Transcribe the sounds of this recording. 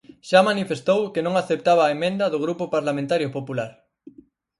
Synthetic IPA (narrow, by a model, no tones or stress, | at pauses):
ʃamanifest̪owkenõŋaθep̚t̪aβaːemẽnd̪ɐðʊɣ̞ɾupʊpaɾlamẽnt̪aɾjopopulaɾ